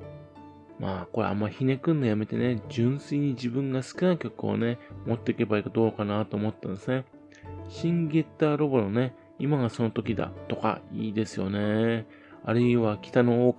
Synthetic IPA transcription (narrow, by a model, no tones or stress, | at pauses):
maːko̞ɾḛa̰mːaiçine̞kɯ̟̃nd̪ejame̞t̪e̞ne̞d͡ʑɨ̃ɰ̃sɨiɲ̟id͡ʑibɯ̟̃ŋɡasɨ̥kɯ̟naikʲo̞kɯo̰ne̞mo̞t̪ːe̞ike̞baikod̪o̞ːkanat̪o̞ːmo̞t̪ːand̪esɨne̞ | ɕĩŋɡe̞t̪ːaːɾo̞bonone̞ | imaɡaso̞not̪o̞kʲid̪a̰t̪o̞ka̰iːd̪e̞sɨjo̞ne̞ | a̰ɾɯ̟iβakʲi̥t̪ano̞oːk